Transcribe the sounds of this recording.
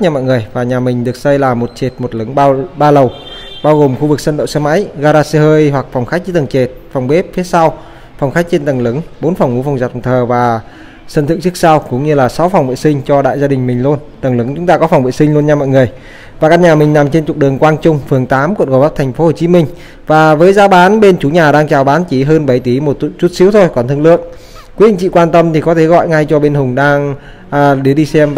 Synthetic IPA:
ɲaː˧mɔ̰˧˨jŋɨ˨˩əjvaː˨˩ɲaː˨˩mï˨˩ŋ̟ɗɨ˨˩ək̚sə˧jlaː˨˩mo˨˩t̚t͡ɕe˨˩t̚mo˨˩t̚lɨ˨˦ŋɓɓaː˧lə˨˩w | ɓaː˧wɣo˨˩mxu˧vɨ˨˩k̚sə˧nɗə̰˧˨wsaː˧ma̰ː˧˥jɣaː˧ɾaː˧se˧həː˧jɦwa˨˩k̚fwŋ͡mxa˦˥jk̚t͡ɕi˧˦t̪a˨˩ŋt͡ɕe˨˩t̚fwŋ͡mɓe˦˥p̚fi˨˦sa˧w | fwŋ͡mxa˦˥jk̚t͡ɕe˧nt̪a˨˩ŋlɨ˨˦ŋɓo˨˦nfa˨˩wŋ͡mŋu˧˦fa˨˩wŋ͡mza˨˩t̚t̪ʰəː˨˩vaː˨˩ | sə˧nt̪ɨ̰˧˨ŋt͡ɕɨ˦˥k̚sa˧wkʊ̰˧˥wŋ͡mɲɨ˧laː˨˩sa˨˦wfa˨˩wŋ͡mvḭ˧˨sï˧ŋ̟t͡ɕɔ˧ɗa̰ː˧˨jzaː˧ɗï̟˨˩mï˨˩ŋ̟lu˧ənt̪ə˨˩ŋlɨ˨˦ŋt͡ɕʊ˨˦ŋ͡mt̪aː˧kɔ˨˦fa˨˩wŋ͡mvḭ˧˨sï˧ŋ̟lu˧ənɲaː˧mɔ̰˧˨jŋɨ˨˩əj | vaː˨˩kaː˧˥n̚ɲaː˨˩mï˨˩ŋ̟na˨˩mt͡ɕe˧nt͡ɕʊ˨˩k͡p̚ɗɨ˨˩əŋkwaː˧nt͡ɕʊ˧ŋ͡mfɨ˨˩əŋt̪aː˨˦mkṵ˧˨nɣo˨˩jva˦˥p̚t̪ʰjŋ̟fo˨˦ho˨˩t͡ɕi˨˦mï˧ŋ̟ | vaː˨˩vəː˨˦jzaː˨˦wɓaː˨˦nɓe˧nt͡ɕu˨˦ɲaː˨˩ɗaː˧ŋt͡ɕaː˨˩wɓaː˨˦nt͡ɕi˧˩ɦəː˧nɓa˧˩jt̪i˨˦mo˨˩t̚t͡ɕu˦˥t̚si˨˦əwt̪ʰo˧jkɔ˨˩nt̪ʰɨ˧ŋlɨ̰˧˨ən | kwɗï˧˨ŋt͡ɕḭ˧˨kwaː˧nt̪ə˧mt̪ʰi˨˩kɔ˨˦t̪ʰe˧˩ɣɔ̰˧˨jŋa˧jt͡ɕɔ˧ɓe˧nhʊ˨˩ŋ͡mɗaː˧ŋː˧˩ | ɗi˧˩əɗi˧sɛ˧m

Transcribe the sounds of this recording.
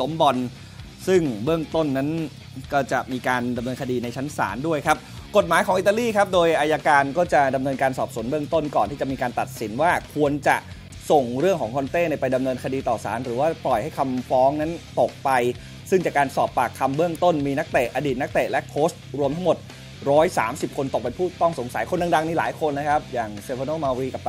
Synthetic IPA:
lo˦˥mbɔ˧n | sɯ˥˩ŋbɯ˥˩əŋt̪o˥˩nːa˦˥n | kɔː˥˩t͡ɕa˨˩ʔmiː˧kaː˧nda˧mnɤː˧nkʰa˧diː˧na˧jt͡ɕʰa˦˥nsa̰ː˩˦ndu˥˩əjkʰa˦˥p̚ko˨˩t̪̚maː˨˩˦jkʰɔː˩˦ŋi˨˩t̪a˧liː˥˩kʰa˦˥p̚doː˧jʔa˧ja˧kaː˧nkɔː˥˩t͡ɕa˨˩da˧mnɤː˧nkaː˧nsɔː˨˩p̚su˨˩˦nbɯ˥˩əŋt̪o˥˩nkɔː˨˩nt̪ʰiː˥˩t͡ɕa˨˩ʔmiː˧kaː˧nt̪a˨˩t̪̚si˩˦nwaː˥˩kʰu˧ənt͡ɕa̰˨˩ʔ | so˨˩ŋɾɯ˥˩əŋkʰɔː˩˦ŋkʰo˧nt̪eː˥˩na˧jpa˧jda˧mnɤː˧nkʰa˧diː˧t̪ɔː˨˩sa̰ː˩˦nɾɯː˩˦waː˥˩plɔ˨˩jha˥˩jkʰa˧mfɔː˦˥ŋna˦˥nt̪o˨˩k̚pa˧j | sɯ˥˩ŋt͡ɕa˨˩kaː˧nsɔː˨˩pːaː˨˩kʰːa˧mbɯ˥˩əŋt̪o˥˩nmiː˧na˦˥k̚t̪e˨˩ʔaː˧diː˨˩t̪̚na˦˥k̚t̪eː˨˩lɛ˦˥kʰoː˦˥st̪̚ɾu˧əmt̪ʰa˦˥ŋmo˨˩t̪̚ | ɾɔː˦˥jsaː˩˦msi˨˩p̚kʰo˧nt̪o˨˩k̚pe˧npʰuː˥˩t̪ɔ˥˩ŋso˩˦ŋsa˨˩˦jkʰo˧nːdɯ˧ŋda˧ŋni˦˥laː˩˦jkʰo˧nːa˦˥kʰa˦˥p̚jaː˨˩ŋseː˧fʰa˧noː˥˩maː˧wɾiː˧˩ka˨˩p̚

